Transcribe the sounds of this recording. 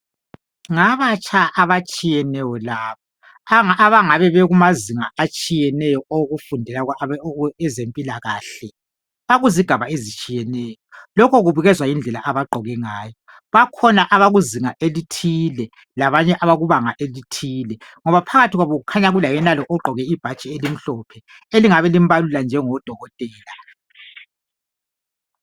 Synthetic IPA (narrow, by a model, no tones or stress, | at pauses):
ŋaβat͡ʃʰʼaʔaβat͡ʃʼijɛnɛjɔlaːβaː | βaŋaβɛβɛɣumaziŋaat͡ʃʼijɛnɛjɔʔoɣufundʱɛla | ɛzempʼilaɣaːɬɛ | βaɣuziɡ̥ʱaβaezit͡ʃʼijɛnɛːjɔlɔkʰɔɣuβuɣɛzwajind͡ɮʱɛla̰ʔaβaɡ͡ǃʱɔɣɛŋaːjɔ | βakʰɔnaʔaβaɣuziŋaʔelitʰilɛ | laβaɲɛʔaβaɣuβaŋaʔelitʰiːlɛŋɔβapʰaɣatʰiɣwaβoɣukʰaɲaɣulajɛnalɔʔɔǃʱɔɣɛib̥ʱat͡ʃʼielim̩ɬɔpʰɛ | eliŋaβɛlim̩baluland͡ʒʱɛŋɔd̥ʱɔɣɔtʼɛːla